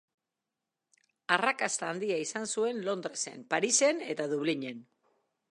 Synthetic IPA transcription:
arakast̪aːnd̪iaisansue̞nlo̞nd̪ɾe̞se̞̰mpaɾise̞ne̞t̪aðuβliɲe̞n

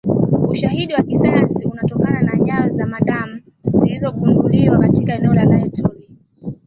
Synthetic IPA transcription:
uʃaɦiɗiwakisajansiunatɔkananaɲaɔzamaɗamu | zilizɔkunduliwakatikaɛnɛɔlalaɛtuli

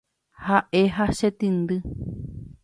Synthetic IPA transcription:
haʔeɦaʃet̪ind̪ɨ

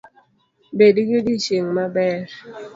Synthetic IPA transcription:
bedikidiʃeŋmabɛɾ

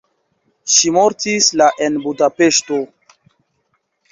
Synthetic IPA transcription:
ʃimo̞ɾtislaʔenbudape̞ʃto

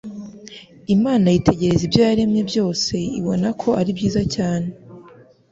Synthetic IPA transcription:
imaːnajitʰe̞ɟe̞ɾe̞zibjaːaɾe̞mɲe̞bjo̞ːse̞ḭβo̞nakʰo̞ʔaɾibɟiːzacaːne̞

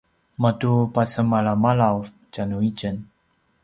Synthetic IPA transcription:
matupasəmaɭamaɭawf | t͡ɕanuicən

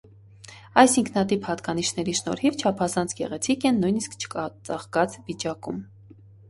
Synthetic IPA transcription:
ɑjsiŋkʰn̪ɑt̪ivhɑt̪kɑniʃnɛɾiʃnɔ̰ɾhivt͡ʃʰɑpʰɑzɑnt͡sʰɡɛ̰ʁɛt͡sʰikɛnːujniskt͡ʃʰə̥kɑt͡sɑχkɑt͡svit͡ʃɑkum

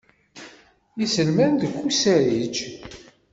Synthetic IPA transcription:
isəlmænd̪əkʷːusæɾit͡ʃː

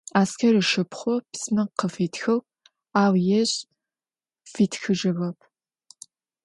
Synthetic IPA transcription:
aːskʰɐɾɨʃɨpχʷɔpsmɐqəfiːtʰxɐw | aːwjɛɕʼ | fiːtxɨʒɐvɐpʰ

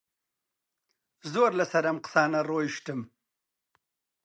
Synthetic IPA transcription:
zoːɾlasɐɾɐmqsɑːnaɾoːjʃʈ̪əm

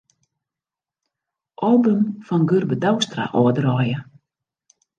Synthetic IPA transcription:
ʔɔlbʏmfɔnɡørbədawst̪ra̰ʔɔːdəɾɔːjə

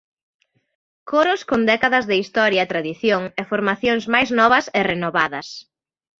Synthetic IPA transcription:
koɾʊskond̪ɛkaðɐzðɪist̪ɔɾjɐt̪ɾaðiθjoŋɛfoɾmaθjoŋzmajznɔβɐsɪrenoβaðɐs

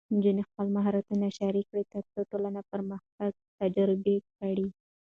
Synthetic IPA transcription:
nd͡ʒunixpəlmaɦɑɾat̪unaʃaɾikɽit̪ət͡s̪oʈolanapəɾməxt̪aɡ̚t̪ad͡ʒaɾɪbekaɽi

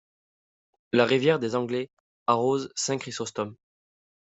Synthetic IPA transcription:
laʁivjɛʁd̪ezɑ̃ɡlɛ | aʁozsɛ̃kχisɔst̪ɔm

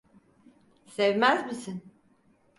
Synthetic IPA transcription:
sɛvmæzmisin

